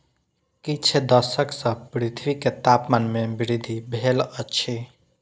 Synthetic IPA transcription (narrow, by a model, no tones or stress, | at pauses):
kit͡ʃʰed̪əsəksə̃pɾit̪ʰʋiket̪apmanmebiɾid̪ʱibʱelət͡ʃʰi